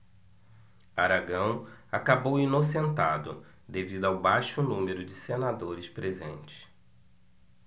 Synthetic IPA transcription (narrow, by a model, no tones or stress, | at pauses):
aɾaɡɐ̃w̃akabowinosẽnt̪ad̪ʊ̰ | d̪evid̪ʊawbajʃʊnũmeɾʊd͡ʒɪsenad̪oɾɪspɾezẽnt͡ʃɪ̥